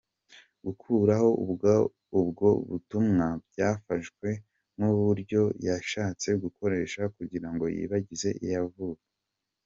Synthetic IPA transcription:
ɡ̥ukʰuːɾaho̞ubɡa | ubɡo̞̰βṵtumŋabɟaːfaʃɡwe̞ | nuβuɾɟo̞jaʃaːt͡se̞ɡuko̞ɾe̞ːʃakuɟiɾaŋɡo̞̰jḭβaɟize̞ʔḭjavukḁ

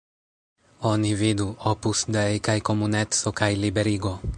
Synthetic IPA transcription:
onivid̪uopusd̪eejkajkomunet̪sokajlibeɾiɡo

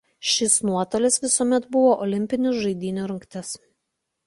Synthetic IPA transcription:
ʃʲɪsnuɔt̪oːlʲɛsʋʲɪsuɔmʲɛt̪bʊʋoːʔɔlʲɪmʲpʲɪnʲʊʒɐɪd̪ʲiːnʲoɾɐŋkt̪ʲɛs

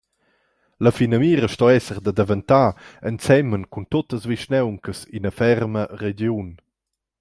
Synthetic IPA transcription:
ləfinəmiːɾəʃtɔɛsəʁd̪əd̪əvənt̪aənt͡sɛmənkunt̪ot̪əsviʃnɛwŋkəsinəfɛrməred͡ʒjun

